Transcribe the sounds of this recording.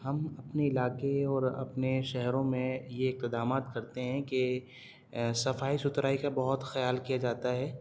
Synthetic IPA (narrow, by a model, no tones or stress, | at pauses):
ɦɐmɐpneɪlaːqeɔːɾɐ̰pneʃɛɦɾõmẽjeɪk̚t̪ɪd̪aːmaːt̪kɐɾt̪eɦɛ̃ke | sɐfaːisʊt̪ɾaːikabɐɦʊt̪xɐjaːlkijad͡ʒaːt̪aɦɛː